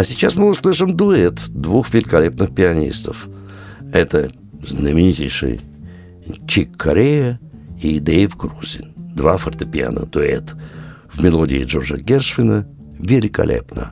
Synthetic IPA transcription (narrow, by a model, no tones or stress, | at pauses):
ɐsʲɪt͡ɕasmɨʊslˠɨʂɨmd̪ʊɛt̪d̪vuxvʲɪlʲɪkɐlʲepnɨxpʲɪɐnʲḭst̪əf | ɛt̪ə | znəmʲɪnʲitʲɪjʂɨ̰j | t͡ɕikʰːɐɾʲejəid̪ejfɡɾuzʲɪ̰nʲd̪vafərt̪əpʲɪa̰nə̰d̪̥ʊɛ̰t̪ | vmʲɪlˠodʲɪɪ̰ʐorʐəɡʲerʂvʲɪnə | vʲɪlʲɪkɐ̰lʲʔḛpnə̰